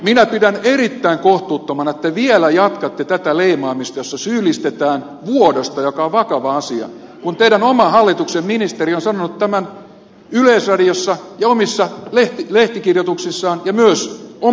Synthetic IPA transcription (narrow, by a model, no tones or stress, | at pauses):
minæpidænerit̪ːæiŋkoht̪uːt̪ːomɑnet̪ːæʋielæjɑt̪kɑt̪ːet̪æt̪æleimɑːmist̪ɑjosːɑsyːlːist̪et̪æːn | ʋuodost̪ɑjokɑoʋʋɑkɑʋɑɑsiɑ̰ | kunt̪eiɾænomɑɦhɑlːit̪uksemminist̪erionsɑnonut̪t̪æmæn | yleisrɑdiosːɑjɑomisːɑleht̪ileht̪ikirjot̪uksisːɑːnjɑmyøso